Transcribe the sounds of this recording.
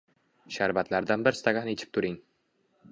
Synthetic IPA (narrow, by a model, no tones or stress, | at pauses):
ʃaɾbat̪laɾd̪anbɪɾst̪aɡʲanet͡ʃʰɪ̥p̚t̪ʰʊɾɪŋ